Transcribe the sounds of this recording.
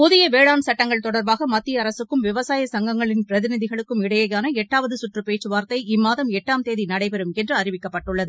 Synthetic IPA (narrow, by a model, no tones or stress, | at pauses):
pʊðɪjɐʋeːɭaːmsɐʈːɐŋɡɐɭt̪ɔɽɐɾbaːɣɐmɐt̪ːɪjɐɐɾɐsɯkːɯmʋɪʋɐsaːjɐsɐŋɡɐŋɡɐɭɪnpɪɾɐðɪnɪðɪɣɐɭɯkːɯmɪɽɐjɐjaːnɐɛʈːaːʋɐðɯsʊʈrɯpeːt͡ʃːɯʋaːɾt̪ɐɪɪmːaːðɐmɛʈːaːmt̪eːðinɐɽɐɪpɛɾɯmɛndrɯɐrɪʋɪkːɐpːɐʈːɯɭːɐðɯ